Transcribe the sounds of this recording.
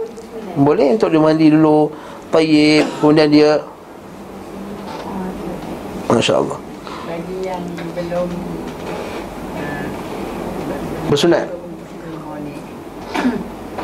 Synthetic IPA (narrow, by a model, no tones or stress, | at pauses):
bolɛhunt̪ʊk̚diəmandidulu | t̪ajɪp̚kəmundiandiə | maʃa̰a̰lːɑ̰h | baɡijaŋbəlom | bəsuna̰t̪ | ni